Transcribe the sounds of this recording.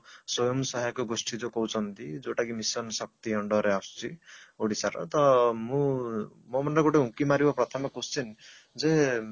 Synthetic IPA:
sɔjɔmsɔɦajkɔɡosʈʰid͡ʒokɔwt͡ʃʰɔnt̪id͡ʒoʈakimisɔnsɔk̚t̪iɔɳɖɔɾeast͡ʃʰioɽisaɾɔ̰t̪ɔmũmɔmɔnɖaɡoʈeɦũkimaɾibapɾɔt̪ʰɔmɔkost͡ʃʰin | d͡ze

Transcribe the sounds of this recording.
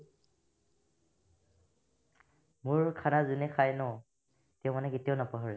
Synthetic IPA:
muɹkʰanazunɛkʰajnɔ | tɛʊ̃manɛketijanapɔɦɔɹɛ

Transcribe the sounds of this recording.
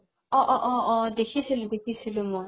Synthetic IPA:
ɔʔɔʔɔʔɔd̪ekʰisʰilʊd̪ekʰisʰilomɔ

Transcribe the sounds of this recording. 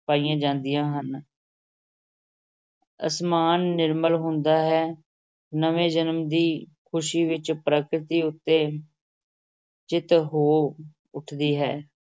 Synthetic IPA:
paːijãːd͡ʒãːnd̪ɪjãːɦən | ə̰smaːnːɪɾməlɦʊ̃nd̪aːɦɛː | nəʋẽːd͡ʒənəmd̪iːkʰʊʃiːʋɪt͡ʃpɾəkɾɪt̪iːʊt̪ːeː | d͡ʒɪt̪ɦoː | ʊʈʰd̪iːɦɛː

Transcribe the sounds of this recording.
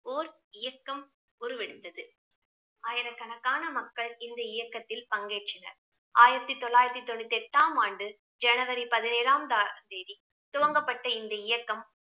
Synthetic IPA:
oːɾ | ɪjɐkːɐm | ʊɾɯʋɛɽɯt̪ːɐðɯ | aːjɪɾɐkɐnɐkːaːnɐmɐkːɐɭɪnd̪ɐɪjɐkːɐt̪ːɪlpɐŋɡeːʈt͡ʃːɪnɐ̰ɾ | aːjɪɾɐt̪ːit̪ɔɭːaːjɪɾɐt̪ːit̪ɔɳːɯt̪ːɛʈːaːmaːɳɖɯ | d͡ʒɛnɐʋɐɾipɐðɪneːɾaːmd̪aːɯmd̪eːði | t̪ʊʋɐŋɡɐpːɐʈːɐɪnd̪ɐɪjɐkːɐm

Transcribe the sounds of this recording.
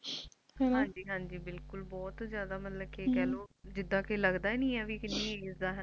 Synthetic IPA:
hãːɲd͡ʒiːɦãːɲd͡ʒiːbɪlkʊlbɔːt̪zjaːd̪aːmət̪ləb̚keːkɛːloːd͡ʒɪd̪ːãːkeːləɡd̪aːeːnĩːɛːʋiːkɪnĩːeːsd̪aːɦə

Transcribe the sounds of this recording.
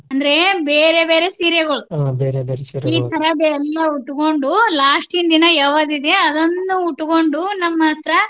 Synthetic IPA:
ɐnd̪ɐɾe̞beːɾe̞be̞ːɾe̞siːɾjeɡɐɭubeːɾebeːɾesiɾiːt̪ʰɐɾɐbɛlːɐuʈːuko̞ɳɖulaːʂʈind̪inɐjaːʋɐd̪id̪e̞ɐd̪ɐnːuuʈːukoɳɖunɐmːɐɐt̪ɾɐ

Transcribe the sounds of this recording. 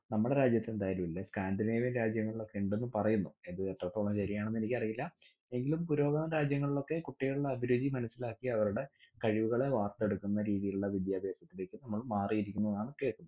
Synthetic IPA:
nɐmːuɽe̞ɾaːd͡ʑjɐt̪ːe̞nd̪aːjalumilːɐskaːndineːʋinɾaːd͡ʑjɐŋːɐɭiɭo̞kːe̞uɳɖe̞nːumpɐrɐjunːue̞nd̪ɨet̪ːroːʈːoɭɐnɐɕɐɾijaːɳenːe̞nikʲːɐrijilːɐ | e̞ŋɡilumpuɾo̞ːɡɐɐɾaːd͡ʑjɐŋːɐɭiɭo̞kːe̞kuʈːijɐɭuɭːɐːbʱiɾuːd͡ʑimɐnɐsːilaːkːiɐʋɐɾuɽe̞kɐɻiʋuɣɐɭe̞ʋaːrt̪e̞ɽukːunːɐɾiːðijiluɭːɐʋid̪jaːbʱe̞ːsɐt̪ːile̞ːkːɨnɐmːɐɭmaːrijiɾikʲːunːɐðaːɳɨkːe̞ːɭʈːunːu

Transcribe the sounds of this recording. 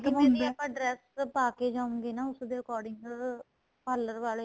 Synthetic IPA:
kɪmɛnĩəpːãːɖɾɛːspaːkeːd͡ʒaːũŋɡeːnaːʊsd̪eːəkɔːɾɖɪŋɡ | paːlːəɾʋaːle

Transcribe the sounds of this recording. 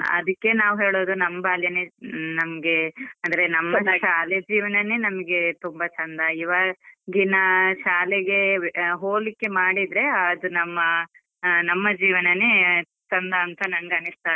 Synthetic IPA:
ɐ̰d̪ɐkːe̞naːʋuɦeːɭoːd̪unɐmːɐbʱaːljɐnenɐmɐɡe̞ɐnd̪ɐɾe̞nɐmːɐʃaːled͡ʒiːʋɐnɐnenɐmɐɡe̞t̪umbɐt͡ʃɐnd̪ɐiʋaɡinɐʃaːleɡe̞ɦoːlikːe̞maːɽid̪ɾe̞ad̪unɐmːɐ | nɐmːɐd͡ʒiːʋɐnɐne | t͡ʃɐnd̪ɐːnt̪ʰɐnɐnɡɐnist̪aː

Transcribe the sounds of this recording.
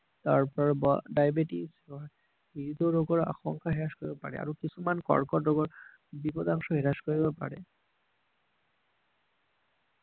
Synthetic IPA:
t̪aɾpɔɾbɔɖajbeʈisba | ɦiɾit̪oɾoɡoɾa̰xɔŋkaɦeɾaʃkoɾibepa̰ɾḛa̰ɾokit͡ɕʰumankɔ̰ɾkɔɾɾoɡoɾ | bibod̪aŋʃoɦeɾaʃkoɾibepa̰ɾḛ

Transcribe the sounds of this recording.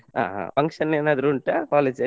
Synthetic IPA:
ɦa̰ːɦa̰pɐŋkʂɐneːnaːd̪ɐɾuːɳʈɐkaːleːd͡ʒɐ

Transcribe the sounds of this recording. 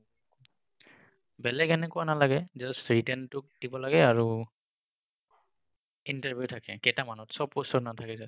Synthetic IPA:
bɛlɛɡɛnɛkʊanalaɡɛzɔstɹitɛntʊk̚d̥ibɔlaɡɛaɹu | intaɹbʱijutʰakɛkɛtamanɔtsɔpːɔsɔtnatʰakisɛ

